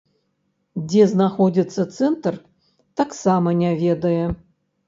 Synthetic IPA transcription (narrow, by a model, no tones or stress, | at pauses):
d͡zʲɛznaxodʲit̪sːɐt̪sɛnt̪r | t̪aksamɐnʲavʲed̪ɐjɛ